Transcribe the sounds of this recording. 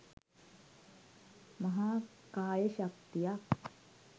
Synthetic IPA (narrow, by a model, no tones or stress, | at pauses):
mɐɦaː | kaːjɐʃɐk̚t̪ija